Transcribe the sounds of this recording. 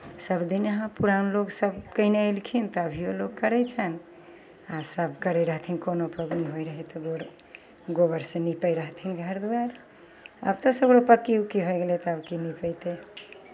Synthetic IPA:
səbd̪inəɦãpuɾanloɡsəbkəneəlkʰint̪ɔəbʱioloɡkəɾɛjt͡ʃʰən | asəbkəɾɛɾəɦt̪ʰinkonopəɡnɦojɾəɦɛt̪ɔɡoɾ | ɡobəɾsenipəjɾəɦt̪ʰinɡʱəɾd̪uwaɾ | ə̰bt̪əsəɡɽopəkːiukiɦojɡelɛt̪ɔəbkinipəjt̪e

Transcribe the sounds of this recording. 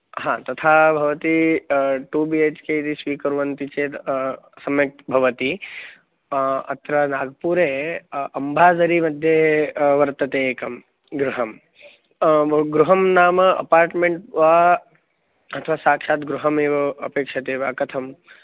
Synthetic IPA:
ɦãːt̪ɐt̪ʰaːbʱɐʋɐt̪i | ʈuːbieːt͡ʃkeit̪isʋiːkɐɾʋɐnt̪it͡ʃeːsɐmjɐk̚t̪bʱɐʋɐt̪i | ɐ̰t̪ɾaːnaːɡpuːɾeːɐmbʱaːzɐɾimɐd̪ʱjeʋɐɾt̪ɐt̪eːkɐm | ɡɾuɦɐm | ɡɾuɦɐmnaːmɐɐ̰paːɾʈmeɳʈʋaː | ɐt̪ʰɐʋaːsaːkʂaːt̪ɡɾuɦɐmeːʋɐɐpeːkʂɐt̪eːʋaːkɐt̪ʰɐm

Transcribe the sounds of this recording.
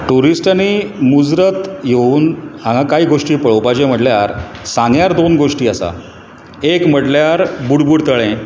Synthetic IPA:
ʈuɾisʈanimud͡zɾət̪jeuːnɦãŋɡãkaɦiːɡoʂʈiːpəɭopad͡ʑẽm̤əʈljaɾsãŋɡjaɾd̪onɡoʂʈiːasa̰ | ekm̤əʈljaɾbuɽbuːɽt̪əɭẽ

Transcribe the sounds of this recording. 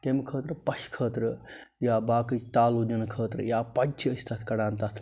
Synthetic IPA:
t̪emkʰəːt̪ɾɨpɐʃkʰəːt̪ɾɨ | jaːbaːkɨt͡ʃʰt̪aːlud͡ʒɐnkʰəːt̪ɾɨjaːpɐd͡ʒt͡ʃʰiəsʲt̪ʰɐt̪ʰkɐɽaːnt̪ɐt̪ʰ

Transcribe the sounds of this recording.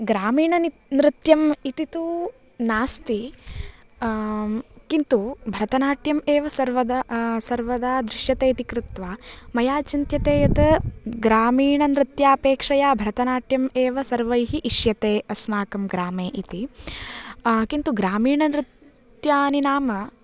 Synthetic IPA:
ɡɾaːmiːɳɐni | nɾɪt̪jɐmit̪it̪u | naːst̪i | kint̪ubʱɐɾɐt̪ɐnaːʈjɐmeːʋɐsɐɾʋɐd̪asɐɾʋɐd̪aːd̪ɾɪʃjɐt̪eːt̪ikɾut̪ʋaːmɐjaːt͡ʃint̪jɐt̪eːjɐt̪ɐɡɾaːmiːɳɐnɾɪt̪jaːpeːkʂɐjaːbʱɐɾɐt̪ɐnaːʈjɐmeːʋɐsɐɾʋɐjɦiʔiʃjɐt̪eːɐsmaːkɐmɡɾaːmeːʔit̪i | kint̪uɡɾaːmiːɳɐnɾɪt̪ | jaːninaːmɐ

